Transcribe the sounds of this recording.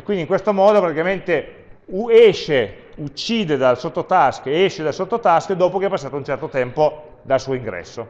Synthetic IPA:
kwind̪iŋkwest̪omɔːd̪opɾat̪ikament̪e | uɛʃːe | ut͡ʃːiːd̪ed̪alsot̪ːot̪askeɛʃːed̪alsot̪ːot̪askd̪oːpok̟eɛpːasːaːt̪ount͡ʃɛrt̪ot̪ɛmpo | d̪alsuːoiŋɡɾɛ̰sːo

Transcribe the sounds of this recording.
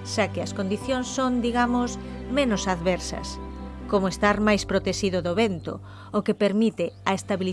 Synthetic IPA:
ʃakɪɐskond̪iθjoŋsːoŋd̪iɣamosmẽnʊsaðβɛɾsɐ̰skomoest̪aɾmajspɾot̪eʃiðoðoβent̪o̰ | okepeɾmit̪ɪɐest̪aβil

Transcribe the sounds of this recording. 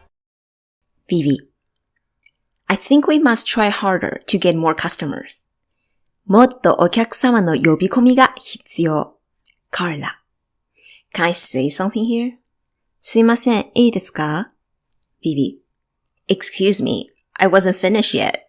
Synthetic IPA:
b̥ibi | aɪθɪ̃ŋkwimastʰɹ̥ajhaɹdə̰˞tʰɨɡɛt̚mɔɹkʰʌstəmə̰˞z̥ | mot̪ːo̰ʔokʲjakɯ̥samanojobikomiɡaçit͡sio | kʰaɹla̰ | kʰɛ̃naɪseɪsʌ̃mθɪ̃ŋhiɹ | sɨmasɛ̃eid̪eska | b̥ibḭ | ɨkskʰjʉzmḭ | ʔaɪwʌzə̃ntfɪnɪʃjɛ̰t̚

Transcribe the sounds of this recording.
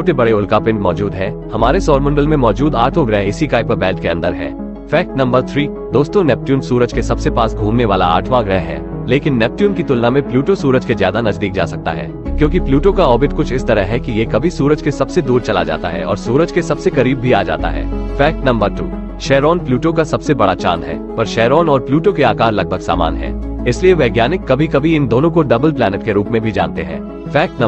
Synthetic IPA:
oːʈebɐɽeʊlkapɪ̃ɳʈmɔːd͡ʒuːd̪ɦɛː | hɐmaːɾesɔːɾmʊ̃ɳɖəlmẽmɔːd͡ʒuːd̪aːɾʈ̪ʰõɡɾɛːɪsikaːɪpəbɛːlʈkeɐ̃nd̪əɾɦɛ̰ː | fɛːk̚ʈnɐ̃mbəɾt̪ʰɾiː | d̪oːst̪õnɛp̚ʈjuːnsuːɾəd͡ʒkesɐbsepaːsɡʱuːmneʋaːla̰a̰ːɾʈʰʋaːɡɾɛɦɦɛ̰ː | leːkɪnːɛp̚ʈjuːnkit̪ʊlnamẽpljuːʈosuːɾəd͡ʒkezja̰ːd̪anɐzd̪iːk̚d͡ʒa̰ːsɐk̚t̪a̰ɦɛ̰ː | kjõːkipljuːʈokaɔːbɪt̪kʊt͡ʃʰɪst̪ɐɾəɦɦɛkijekɐbʱisuːɾəd͡ʒkesɐbsed̪uːɾt͡ʃɐla̰d͡ʒa̰ːt̪a̰ɦɛ̰ɔ̰ːɾsuːɾəd͡ʒkesɐbsekɐɾiːbːʱiaːd͡ʒa̰ːt̪a̰ɦɛ̰ːfɛːk̚ʈnɐ̃mbəɾʈṵː | ʃɛːɾɔːnpljuːʈokasɐbsebɐɽat͡ʃa̰ːnɦɛ̰ːpɐɾʃɛːɾɔːnɔːɾpljuːʈokeaːkaːɾlɐɡ̚bʱəɡsa̰ːma̰ːnɦɛ̰ː | ɪslieʋɛːɡjaːnɪkːɐbʱikɐbʱiɪnd̪oːnõkoɖɐbəlplɛːnəʈkeɾuːpmẽbʱid͡ʒa̰ːnt̪eɦɛ̰̃ː | fɛːk̚ʈn

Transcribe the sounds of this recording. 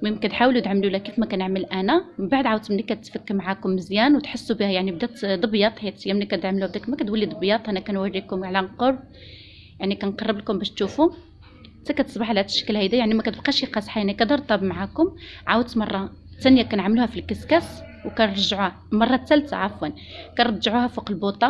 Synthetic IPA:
mimkæt̪ħawlut̪ʕamlulækifmækænəʕməlʔænæmbaʕd̪ʕawd̪̚t̪mnːikːæt̪fəkːəmʕakʊmːəzjænwt̪ħəsːubihæjaʕnib̚d̪æt̪d̪ˤɑbjɑt̪ˤhəjːæt̪jːæmnikæʕmluhæb̚d̪ækmækæt̪wælːid̪ˤəbjɑt̪ˤʔænækænwærːikʊmʕlænqoɾˤb̚ | jaʕnikænqɑrˤːəblkʊmbæʃt̪ʃufu | t̪ːækæt̪ə̥sˤbɑħalæt̪əʃːə̥kəlhæd̪ijaʕnimækæt̪əb̚qɑʃiqɑsħajaʕnikæd̪ɑɾˤt̪ˤɑbmʕakʊmʕawəd̪t̪mɑrˤːɑt̪ænjækænʕamluhæfilkæskæs | wkænɾˤʒʕu | mɑrˤːɑt̪ːælt̪a̰ʕafwæn | kænɾɑd̪ʒʕuhæfuqəlbut̪ˤɑ

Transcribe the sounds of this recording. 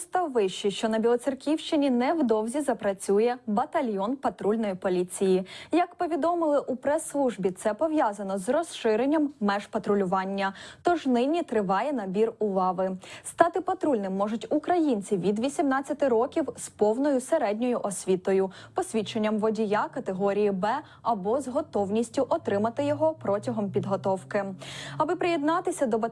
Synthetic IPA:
st̪ɑwʋɪʃt͡ʃiʃt͡ʃɔnɐbʲilˠɔt͡ssʲirkʲiwʃt͡ʃɪnʲinɛwd̪ɔwzʲizɐpɾɐt͡sʲujɛbɐt̪ɐlʲjɔnpɐt̪ɾulʲnɔjipɔlʲit͡sʲijijɐkpɔʋʲid̪ɔmɪlˠɪʔupɾɛslˠuʒbʲit̪sɛpɔʋjɑzɐnɔzrɔsʃɪɾenʲːɐmːɛʒpɐt̪ɾʊlʲʊʋɑnʲːɐt̪ɔʒnɪnʲit̪ɾɪʋɑjɛnɐbʲirʊʋɑʋɪst̪ɑt̪ɪpɐt̪ɾulʲnɪmːɔʐʊtʲukɾɐjinʲt͡sʲiʋʲid̪ʋʲisʲimnɑt͡sʲːɐt̪ɪɾɔkʲiwspɔwnɔjʊseɾɛdʲnʲɔjʊʔɔsʲʋʲit̪ɔjʊpɔsʲʋʲit͡ʃːenʲːɐmʋɔdʲijakɐt̪eɦɔɾʲijibɛ | ɐbɔzɦɔt̪ɔwnʲisʲtʲʊʔɔt̪ɾɪmɐt̪ɪjɔɦɔpɾɔtʲɐɦɔmpʲid̪ɦɔt̪ɔwkɪɐbɪpɾɪjɛd̪nɑt̪ɪsʲɐd̪ɔp

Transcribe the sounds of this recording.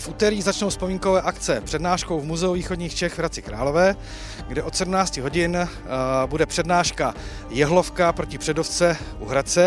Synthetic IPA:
fʔut̪ɛɾiːɣzat͡ʃnowspo̞miːŋko̞vɛːʔakt͡sɛpr̥ɛdnaːʃkowvmuzɛuviːxo̞dɲiːxt͡ʃɛxvɾat͡sɪkɾa̰ːlo̞vɛː | ɡdɛʔo̞t̪sɛdumnaːt͡scɪɦo̞ɟɪn | budɛpr̥ɛdnaːʃka | jɛɦlo̞fkapɾocɪpr̥ɛdoft͡sɛ | ʔuɦɾat͡sɛ

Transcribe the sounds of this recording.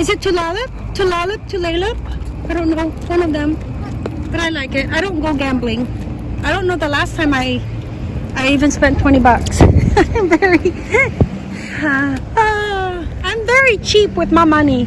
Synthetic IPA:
ɨzɨtʰɨlɔlɪp̚tʰɨlɔlˠɨp̚tʰɨleɪlɪp̚aɪɾõʊ̃nːoʊwʌ̃nʌvðɨ̃m | b̥ʌɾaɪlaɪkɪt̚aɪɾõʊ̃nɡ̥oʊɡæ̃mblɪ̃ŋ | aɪɾõʊ̃nːoʊðəlæstʰãɪ̃maɪ | aɪivɨ̃nspɛ̃ntʰw̥ɛ̃ɾ̃ibʌksaɪ̃ɱvɛɹi | ʌ | ãɪ̃ɱvɛɹit͡ʃʰipwɨðmaɪmʌni

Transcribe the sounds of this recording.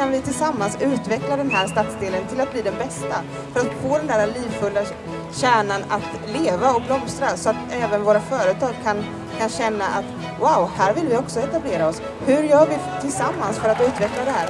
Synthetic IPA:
kanvɪt̪ʰɪlsamːansʉ̟ːt̪vɛklad̪ɛnɦæːɾʂt̪at̪sd̪eːlənt̪ʰɪlat̪̚bliːd̪ɛnbɛst̪a | fœɾat̪foːd̪ɛnd̪æːɾaliːvfɵlːa | ɕæːɳanat̪ | leːvaɔblɔmst̪ɾasɔat̪ɛːvənvoːɾafœːɾət̪ʰɑːɡ̚kʰan | kʰanɕɛnːaʔat̪ | waʊhæːɾvɪlvɪɔksɔɛt̪ableːɾaɔs | hɵɾjœːɾvɪt̪ʰɪlsamːansfœɾat̪ʉ̟ːt̪vɛklad̪ɛɦæːɾ

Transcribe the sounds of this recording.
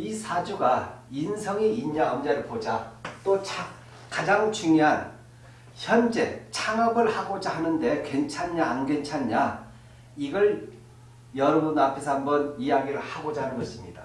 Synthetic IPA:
isʰad͡ʑuɡainsʰʌŋiiɲːaʌmd͡ʑeɾɯɭpod͡ʑat͈ot͡ɕʰa | kad͡ʑaŋt͡ɕuŋjoɦan | çjʌnd͡ʑe̞t͡ɕʰaŋabɯɭhaɡod͡ʑahanɯnde̞kwe̞nt͡ɕʰaɲːaːnɡwent͡ɕʰaɲːa | iɡʌɭ | jʌɾʌbunapʰe̞sʰʌhambʌnijaɡiɾɯɭhaɡod͡ʑaɦanɯnɡʌɕʰimɲida

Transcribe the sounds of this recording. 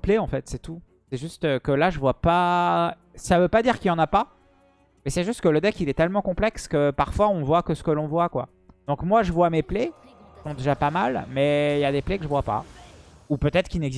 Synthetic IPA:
pleɑ̃fɛt̪sɛt̪u | sɛʒyst̪økəlaʒəvwapa | savøpad̪iʁkiljɑ̃napa | mɛsɛʒyst̪kələd̪ɛkilɛt̪ɛlmɑ̃kɔ̃plɛkskəpaʁfwaɔ̃nvwakəsə̥kəlɔ̃vwakwa̰ | d̪̥ɔ̃kmwaʒəvwameple | ki̥sɔ̃d̪eʒapamalmɛiljad̪eplekəʒəvwapa̰ | upøt̪ɛt̪χəkilnɛɡz

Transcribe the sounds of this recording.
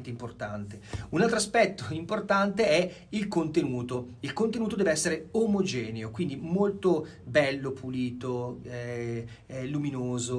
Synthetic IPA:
nt̪eimport̪ant̪eunalt̪ɾoaspɛt̪ːoimport̪ant̪eɛ | ilkont̪enuːt̪oilkont̪enuːt̪od̪ɛːveɛsːeɾeomod͡ʒɛːneokwind̪imolt̪o | bɛlːopʰuliːt̪oɛ | luminoːzo

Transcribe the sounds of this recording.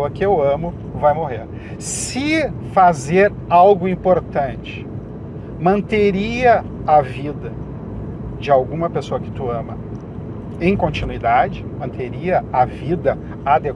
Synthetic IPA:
ɐkɪewɐ̃mʊ | vajmoɦeɾ | sɪ | fazeɾ | awɡʊĩpoɾt̪ɐ̃t͡ʃɪ̥ | mɐ̃nt̪eɾiɐavid̪ɐ | d͡ʒɪawɡũmɐpesoɐkɪ̥t̪uɐ̃mɐ | ẽj̃kõnt͡ʃinuid̪ad͡ʒɪmɐ̃nt̪eɾiɐavid̪ɐ | ad̪e

